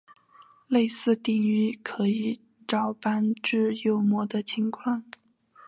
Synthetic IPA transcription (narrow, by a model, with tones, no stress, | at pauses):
le˥˧ɪsɹ̩˥˧t̪i˥˩ŋy˧˥kʰɤ˧˥i˨˧˩ | ʈ͡ʂɑ˨˩ʊpa˥nʈ͡ʂɻ̩˥˧jo˥˩ʊmwɔ˥d̪ə˨t͡ɕʰi˧˥ŋkʰwɑ˥˩ŋ